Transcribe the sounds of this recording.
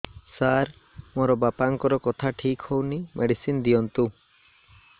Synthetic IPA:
saɾ | moɾɔbapaŋkɔɾɔkɔt̪ʰaʈʰikhownimʔeɽisind̪iɔnt̪u

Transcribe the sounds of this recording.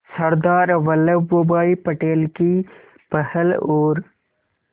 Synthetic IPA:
sɐɾd̪aːɾʋɐləʋobaːipɐʈeːlki | pɐhəloːɾ

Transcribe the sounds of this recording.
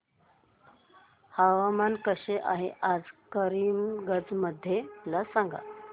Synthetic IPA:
haʋamankəɕeʔaɦeʔad͡zkəɾiːmɡəd͡zməd̪ʱːjelasaŋɡa̰

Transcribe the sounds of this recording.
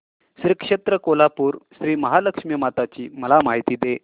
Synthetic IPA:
ɕɾikʂet̪ɾəkolapuːɾɕɾiːməɦaləkʂmijəmat̪at͡ɕiːməlamaɦit̪iːd̪e

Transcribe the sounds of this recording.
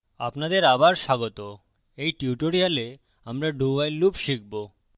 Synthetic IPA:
a̰pnad̪eɾabaɾʃaɡot̪o | ejʈiuʈoɾiale | amɾaɖuajlupʃik̚bo

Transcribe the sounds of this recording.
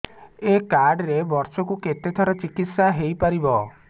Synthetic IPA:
ekaɾɖɾebɔɾsɔkuket̪et̪ʰɔɾɔt͡ʃikit̪saɦejpaɾibɔ

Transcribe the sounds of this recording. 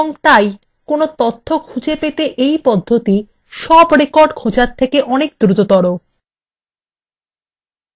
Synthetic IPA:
oŋt̪aj | konot̪ot̪ʰːokʰud͡ʑepet̪eʔejpɔd̪ʱːot̪i | ʃɔbɾekɔɾɖkʰod͡ʑaɾt̪ʰːekeʔɔnek̚d̪ɾut̪ot̪ɔɾo

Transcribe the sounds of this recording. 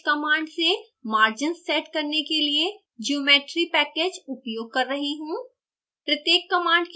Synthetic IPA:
kɐmãːɳɖse | maːɾd͡ʒɪnsːeːʈkɐɾnekelie | d͡ʒioːmeːʈɾipɛːkeːd͡ʒʊpjoːɡ̚kɐɾːɐɦiɦũː | pɾɐt̪jeːkːɐmãːɳɖk

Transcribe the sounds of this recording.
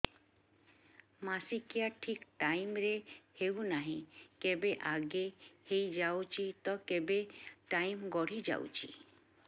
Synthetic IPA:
masikijaʈʰikʈajmɾehewnaɦĩkebeʔaɡehejd͡ʒawt͡ʃʰit̪ɔkebeʈajmɡɔɽ̤id͡ʒa̰w̰t͡ʃʰḭ

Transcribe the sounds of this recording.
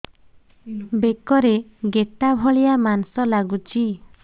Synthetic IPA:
bekɔɾeɡet̪abʱɔɭijamansɔlaɡut͡ʃʰi

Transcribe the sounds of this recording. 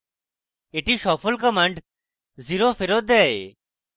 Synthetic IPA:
eʈiʃɔpʰolkɔmaɳɖ | ziɾofeɾot̪̚d̪ɛe

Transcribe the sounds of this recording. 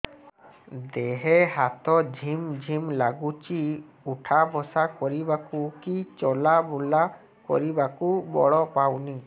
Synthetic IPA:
d̪eɦɛɦat̪ɔd͡ʒʱimd͡ʒʱimlaɡut͡ʃi | uʈʰabɔsakɔɾibakukit͡ʃɔlabɔla | kɔ̰ɾibakubɔ̰ɭɔpawni

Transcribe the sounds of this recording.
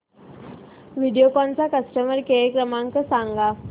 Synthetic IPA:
ʋiɽijokɔnt͡sakəsʈəməɾkeekɾəmãŋkəsãŋɡa

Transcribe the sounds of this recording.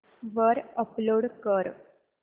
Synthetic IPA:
ʋəɾəploɽkəɾ

